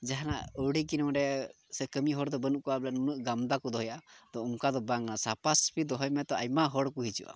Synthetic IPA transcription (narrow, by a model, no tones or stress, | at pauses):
d͡ʒaɦana̰ʔəɽikinɔwɖɛ | sɛkəmiɦɔɾd̪ɔbənuʔkɔabɛlanunuʔɡamd̪akɔd̪ɔɦɔjad̪̥ɔuŋkad̪ɔbaŋnasapaspid̪ɔɦɔjmɛt̪ɔajmaɦɔɽkuɦit͡ʃṵʔa̰